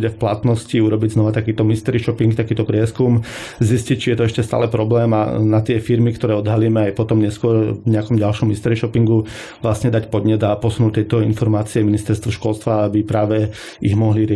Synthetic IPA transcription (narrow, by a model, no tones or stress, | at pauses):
ɟɛfplat̪nɔsciuɾɔbiɟznɔʋat̪akiːt̪ɔmist̪ɛɾiʃɔpiŋkt̪akiːt̪ɔpɾɪɛskum | ziscic̚t͡ʃijɛt̪ɔɛʃcɛst̪a̰ːlɛpɾɔblɛːma̰nat̪ɪɛfiɾmikt̪ɔɾɛːɔd̪ɦaliːmɛajpɔt̪ɔmɲɛskʊɔɾɲɛakɔmɟalʃɔmːist̪ɛɾiʃɔpiŋɡu | ʋlasɲɛd̪acpɔd̪ɲɛd̪apɔsunut̪ːɛt̪ɔinfɔɾmaːt͡siɛminist̪ɛɾst̪ʋɔʃkʊɔlst̪ʋaabipɾaːʋɛ | iɣmɔɦliɾɪɛ